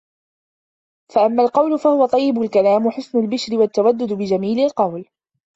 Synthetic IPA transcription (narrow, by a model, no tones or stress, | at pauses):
faʔamːaːlqɑwlʊfahʊwat̪ˤɑjːɪbʊlkalaːmħʊsnʊlbɪʃɾɪwat̪ːawad̪ːʊd̪bɪd͡ʒamiːlɪlqɑwl